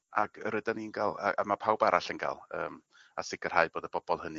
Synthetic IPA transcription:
akʰəɾɨdaninɡalˠaamapʰawbaɾʔaɬənɡa̰lˠəːm | a̰sɪɡər̥haɨboːdəbɔb̥ɔlˠhənɨ

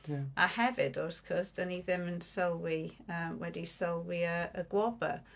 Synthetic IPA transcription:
ahɛvɪdɔrθkʰɔsd̥əniðɪmənsəlˠwiəːmwɛdisəlˠwiəəɡwɔbə̰

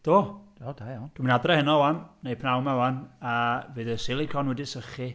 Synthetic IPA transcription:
d̥oːod̥ajawnd̥uminadrɛhɛnɔwannejpʰnawmawanavɨːðəsɪlˠikʰɔnwɛdɪsəχi

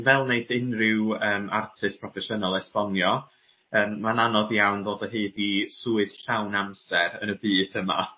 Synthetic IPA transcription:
nvɛlˠneɨθɪnrɪwəːmʔa̰rtʰɨstpʰrɔfɛʃənalˠɛspɔnjɔ | əːmːananɔðjawnðoːdəɦɨːdisuːɨð̥ɬawnamsɛɾə̰nəbɨːdəma̰

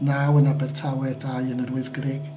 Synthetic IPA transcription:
nawənabɛrtʰawɛdajənərwɪðɡrɪɡ̥

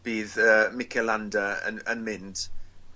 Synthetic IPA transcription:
b̥iːðəmɪkʰɛlandəə̰nənmɪnd̥

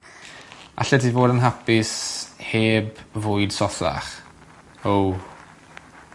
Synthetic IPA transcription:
a̰ɬɛdʰiːvoːdənɦapɪsheːbvʊɨd̥sɔθa̰χ | ow

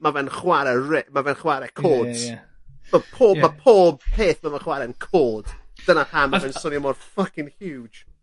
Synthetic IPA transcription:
mavɛnχwaɾɛrɛʔmavɛnχwaɾɛkʰoːdz | mapʰoːmapʰoːb̚heːθmavɛnχwaɾɛənkʰoːd̥d̥ənatʰamavɛnsɔnjɔmɔd̥fʌkɪ̃nhju̥ːd͡ʒ

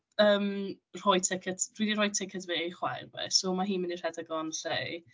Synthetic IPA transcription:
əːm | r̥ɔjtʰɪkʰɛtʰd̥wiːdirɔjtʰɪkʰɛtʰveχwa̰jrbɛ̰somaɦiːnmɛnir̥ɛdaɡɔnɬe

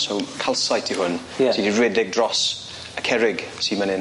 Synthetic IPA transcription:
sokʰalˠsajtʰihʊn | sidiɹwɪdɪɡ̚dɹɔs | əkʰɛɹɪɡsiːmanɪ

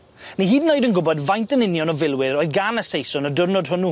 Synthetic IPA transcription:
niɦiːdnoɨdənɡʊbɔdvajntənɪnjɔnɔvɪlˠwɪɾɔːɨðɡanəsejsɔnɔdʊrnɔdhʊnu

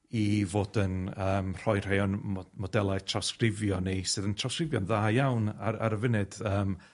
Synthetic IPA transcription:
ivoːdənəːmr̥ɔjr̥ejɔnmmɔdɛlˠaɨtʰrawskrɪvjɔnisɨðəntʰrawskrɪvjɔnðaːjawnaɾa̰ɾəvɪnɨd̥əːm

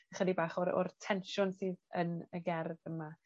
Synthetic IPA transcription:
aχədibaːχɔɾɔ̰rtʰɛnʃʊnsɨːðənəɡɛrðəma

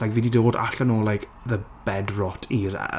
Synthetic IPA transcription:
ajkviːdidoːda̰ɬənoːlajkʰ | ðəb̥ɛdrɔtʰiɾ̰

